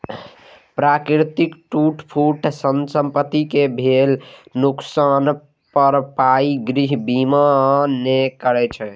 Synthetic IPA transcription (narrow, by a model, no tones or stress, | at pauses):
pɾakɾɾt̪ikʈuʈpʰuʈsənsəmpət̪ːikebʱelnuksan | pəɾpaiɡɾiɦbimanekəɾɛt͡ʃʰɛ